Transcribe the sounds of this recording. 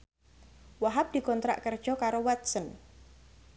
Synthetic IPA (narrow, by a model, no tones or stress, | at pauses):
waɦap̚d̪̥i̤kɔnt̪ɾa̰ʔkərd̥ʒ̥ɔkaɾowat̪̚sən